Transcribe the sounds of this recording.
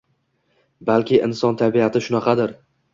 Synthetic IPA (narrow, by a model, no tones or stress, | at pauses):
balkʲʰɪʔɪ̰nsɒnt̪ʰabiat̪ʰɪʃʊnɑqɑd̪ɪɾ